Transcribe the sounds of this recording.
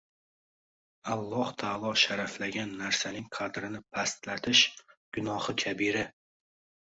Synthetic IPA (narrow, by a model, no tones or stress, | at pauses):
alˠːɒht̪ʰalˠɒʃaɾaflaɡʲanːaɾsanɪŋqʰɑd̪ɾɪnɪpʰast̪lat̪ʰɪʃɡ̥ʊnɒhɨkʲʰabiɾɪ